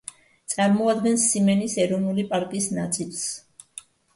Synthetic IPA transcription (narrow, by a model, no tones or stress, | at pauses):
t̪sʼaɾmɔad̪ɡɛnsimɛnisɛɾɔvnulipʼaɾkʼiːsnat̪sʼilˠs